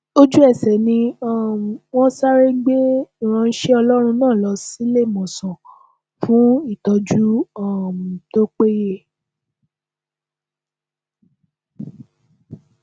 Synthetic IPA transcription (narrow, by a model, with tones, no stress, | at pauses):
o˦d͡ʒu˦ɛ˦˨sɛ˨nĩ˧ɔ̃˦˨wɔ̃˦sa˦ɾe˦ɡ͡be˦i˨ɾ̃ã˧n̩˦ʃe˦ɔ˧lɔ˦ɾ̃ũ˧nãː˦˨lɔ˧si˦le˦˨mɔ̃˨sɔ̃˨ | fũ˦i˦˨tɔ˧d͡ʒu˦ɔ̃˦˨ũ˨to˦k͡pe˦je˦˨